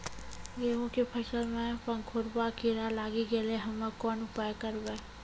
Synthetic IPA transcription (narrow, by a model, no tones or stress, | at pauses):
jeõkepʰəsəlmẽpə̃ŋkʰoɾbakiɾalaːɡiɡeleɦɐmekɔːnʊpaːjkəɾbe